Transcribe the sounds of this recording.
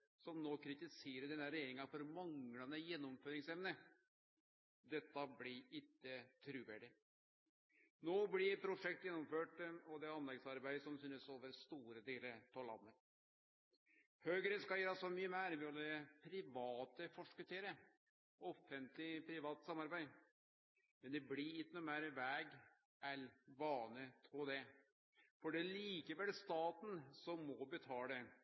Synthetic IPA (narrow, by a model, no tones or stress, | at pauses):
sɔmnoːkʰɾɪt̪ɪseːɾəɖ̪ɛnːəɾɛjeːɾɪŋɑfɔɾmɑŋlɑnəjɛnːɔmføːɾɪŋsɛmnə | d̪ɛt̪ːɑblɪɾɪt̪ːət̪ʰɾʉːʋæːɖɪ | noːblɪɾpʰɾʊʂɛk̚t̪jɛnːɔmføːʈɔd̪ɛɑnlɛɡsɑɾbæɪsɔmsyːnəsoːʋəɾst̪uːɾəd̪eːləɾpʰɔlɑ̰nːət̪ | høːɡɾənskɑæːɾɑsɔmyːəmæːɾʋɪɔld̪ɛpʰɾɪʋɑːt̪əfɔʂkʉt̪ʰeːɾə | ɔfənt̪lɪpʰɾɪʋɑːt̪əsɑmɑɾbæɪ | mɛnd̪ɛbliɪkːənʊmæːɾəʋæːɡ | ælʋɑːnət̪ʰɾud̪ɛ | fɔɖɛæliːkəʋɛlst̪ɑːt̪n̩sɔmːɔbət̪ʰɑːɖ̪ɛ